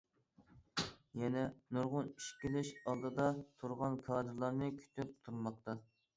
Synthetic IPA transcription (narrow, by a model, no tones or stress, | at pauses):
jɛnɛnuɾʁʊniʃkʲilɪʃɑlˠd̪ɨd̪ɑt̪ʰuɾʁɑnkʰɑːd̪ɨɾlˠɑɾnɨkʲʰy̥t̪ʰyp̚t̪ʰuɾmɑq̚t̪ɑ